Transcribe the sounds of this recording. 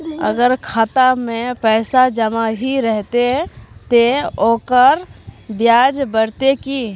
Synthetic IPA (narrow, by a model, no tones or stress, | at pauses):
ə̰ɡəɾkʰaːt̪amẽpɛːsad͡ʒəmaɦiɾɛɦt̪et̪eoːkəɾbjaːd͡ʒbəɾt̪eki